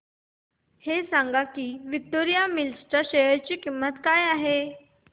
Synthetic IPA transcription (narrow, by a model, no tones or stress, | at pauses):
hesãŋɡakiːʋik̚t̪oɾijamilsʈəɕejəɾt͡ɕiːkimːət̪kajaɦe